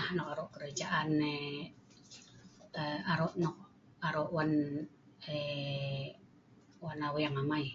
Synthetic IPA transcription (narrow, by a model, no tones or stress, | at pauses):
ahnɔkaɾɔʔkəɾad͡ʒaʔanːe | əaɾɔʔnɔk̚ | aɾɔʔwan | e | wanawijaŋamai